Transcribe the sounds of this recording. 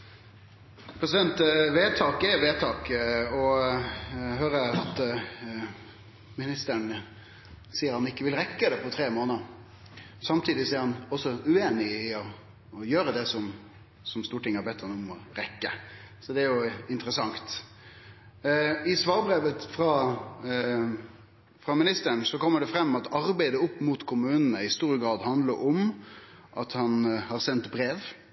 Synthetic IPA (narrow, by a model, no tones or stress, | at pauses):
pʰɾɛsɪd̪ɛnt̪ʋeːt̪ʰɑːkɛʋeːt̪ʰɑːkɔ | høːɾəɑt̪ | mɪnɪst̪əɳ | siːəɾhɑnɪkːəʋɪlɾɛkːəd̪ɛpʰɔt̪ʰɾeːmoːnəɾ | sɑmt̪ʰiːd̪ɪsɛɾhɑnɔsɔʉeːnɪɪɔ | jøːɾəd̪ɛsɔm | sɔmst̪uːʈɪŋːəhɑɾbɛt̪ʰːhɑnɔmɔɾɛkːəsɔd̪ɛæɾjʊɪnt̪ɾəsɑŋt̪ | ɪsʋɑːɾbɾeːʋət̪fɾɑː | fɾɑmɪnɪst̪əɳsɔkɔmːəɖɛfɾɛmːɑt̪ɑɾbæɪd̪əʊpːmʊt̪kʰʊmʉːnənəɪst̪uːɾəɡɾɑːd̪hɑnd̪ləɾɔm | ʔɑt̪hɑnhɑɾsɛnt̪bɾeːʋ